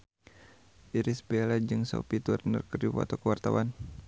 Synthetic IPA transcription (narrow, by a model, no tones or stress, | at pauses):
ʔiɾisbelad͡ʒɨŋso̰pit̪urnə̰rkəriwa̰t̪awkəwart̪awa̰n